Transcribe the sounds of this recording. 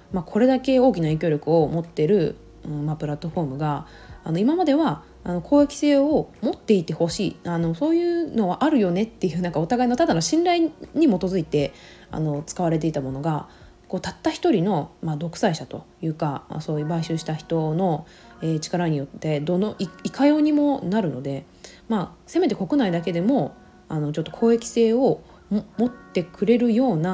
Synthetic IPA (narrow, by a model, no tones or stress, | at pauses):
makʰo̞ɾe̞d̪ake̞o̞ːk̬ʲinaikʲo̞ːɾʲo̞kɯ̟o̞mo̞t̪ːe̞ɾɯ̟ | ɯ̟̃ɴmapɯ̟ɾat̪ːo̞ɸo̞ːmɯ̟ɡaː | no̞imamad̪e̞βa | ano̞kʰoːjakʲi̥se̞ːo̞mo̞t̪ːe̞it̪e̞ho̞ɕiːano̞so̞ːjɯ̟ːno̞βaʔaɾɯ̟jo̞ne̞t̪ːe̞jɯ̟ːnãŋkao̞t̪aɡaino̞t̪ad̪anoɕĩnɾaiɲ̟imo̞t̪o̞zɨit̪e̞a̰no̞t͡sɨ̥kaβaɾe̞t̪̬e̞it̪amo̞no̞ɡa | ko̞ːt̪at̪ːaçi̥t̪o̞ɾʲino̞mad̪o̞kɯ̟̥saiɕat̪o̞jɯ̟ːkama̰so̞ːjɯ̟ːbaiɕɨːɕi̥t̪açi̥t̪o̞no̞ | eːt͡ɕi̥kaɾaɲ̟ijo̞t̪ːe̞d̪onoiikajo̞ːɲ̟imo̞naɾɯ̟no̞d̪e̞ | mase̞me̞t̪̬e̞ko̞kɯ̟naid̪ake̞d̪e̞mo̞ | ano̞t͡ɕo̞t̪ːo̞kʰo̞ːe̞kʲi̥se̞ːo̞ | mmo̞t̪ːe̞kɯ̟ɾe̞ɾɯ̟jo̞ːna